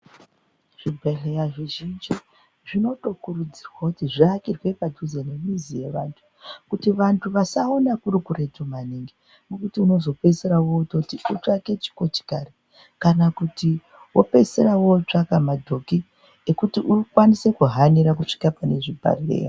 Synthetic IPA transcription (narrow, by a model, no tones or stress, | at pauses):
ʐ̥ibʱaɮejaʐiʒind͡ʒi | ʐino̞to̞kurud͡zirwakutiʐiakirwe̞padʱuzenemizije̞ʋantʰu̥ | kutiʋantʰuʋasao̞nakuɾikure̞tomaniŋɡi | nokutiuno̞zo̞pe̞seɾawo̞to̞tiut͡ʂake̞t͡ʃi̥ko̞t͡ʃi̥kare | kanakuti | wo̞̰pe̞se̞ɾawo̞t͡ʂakamadʱo̞ki | ekutiʔukwanise̞kuɦaniɾak̬uʂi̥kapane̞ʐibʱa̰ɮḛja